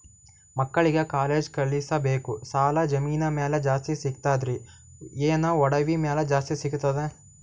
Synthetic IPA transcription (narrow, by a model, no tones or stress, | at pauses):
mɐkːɐɭiɡɐkaːleːd͡ʒkɐɭːisɐbeːkusaːlɐd͡ʒɐmiːnɐmeːled͡ʒaːst̪isiɡt̪aːd̪ɾi | eːnɐɔɽɐʋimeːled͡ʒaːst̪isiɡut̪ːɐd̪e